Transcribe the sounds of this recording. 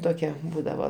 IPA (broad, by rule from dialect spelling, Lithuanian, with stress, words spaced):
ˈtoːkʲɛ ˈbuːdɐʋoː